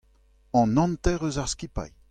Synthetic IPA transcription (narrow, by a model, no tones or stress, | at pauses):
ɑ̃nɑ̃nt̪ɛʁøzaʁskʲipa̰j